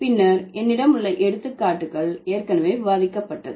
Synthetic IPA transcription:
pɪnːɐɾɛnːɪɽɐmɯɭːɐʔɛɽɯt̪ːɯkːaːʈːɯɣɐɭeːrkɐnɐmeːʋɪʋaːðɪkːɐpːɐʈːɐ̰ðɯ

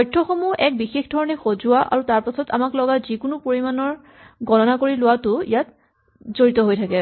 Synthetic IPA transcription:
ɔjtʰːɔxɔmuʔɛk̚bixexdʱɔɹɔnɛxozʊwaʔa̰ɹutaɹpasɔta̰maklɔɡazikʊnʊpoɹimanɔɹ | ɡɔnɔnakoɹilʊwatʊijat | zoɹitɔɦojtʰakɛ

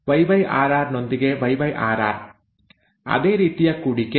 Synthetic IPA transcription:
ʋɐɪʋɐɪʔaːɾaːɾnɔnd̪ɪɣeːʋɐɪʋɐɪʔaːɾa̰ːɾ | ʔɐ̰ðeːɾiːt̪ːɪjɐkːuːɽɪkːe

